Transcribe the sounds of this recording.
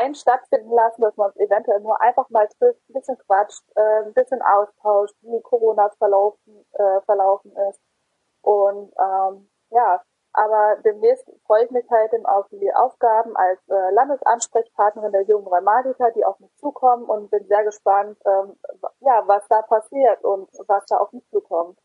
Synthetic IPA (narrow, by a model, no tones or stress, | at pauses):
aɪnʃtatfɪndn̩lasn̩d̥asmaːnʊnsevɛntuɛlnuːɐʔa̰ɪnfaχmaːltʁ̥ɪftn̩bɪsçənkv̥at͡ʃtʔɛːnbɪsçənʔa̰ʊstʰaʊʃtviːkʰoʁoːnafɛɐlaʊf | ɛːfɛɐlaʊfn̩ɪst | ʔʊntʔɛːm | jaː | ʔaːbɐdeːmnɛːstfʁ̥ɔʏəɪçmɪçhalt̚diːma̰ʊfd̥iːʔa̰ʊfɡ̥aːbm̩ʔalsʔɛːlandəsʔa̰nʃpʁ̥ɛçpʰaɐtnəʁɪndeːɐjʊŋənʁɔmaːtikadiːa̰ʊfmɪçt͡suːkʰɔməʔʊntb̥ɪnzeːɐɡəʃpantʔɛːmjaːvasd̥aːpʰasiːɐtʊntvasd̥aːʔa̰ʊfmɪçt͡suːkʰɔmt